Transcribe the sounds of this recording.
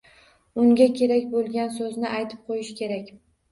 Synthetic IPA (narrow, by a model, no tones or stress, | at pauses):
ʊŋɡʲakʲʰe̞ɾakʲbolˠɡʲansɵznɪʔajt̪ʰɪ̥p̚qʰojɪʃkʲʰe̞ɾakʲ